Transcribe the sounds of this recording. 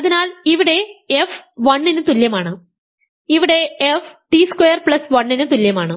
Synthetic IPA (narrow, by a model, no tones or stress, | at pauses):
ɐðinaːliʋiɽe̞efʋɐɳːinɨt̪uljɐmaːɳɨ | iʋiɽe̞efʈiskojɐrpɭɐsʋɐɳːinɨt̪uljɐmaːɳɨ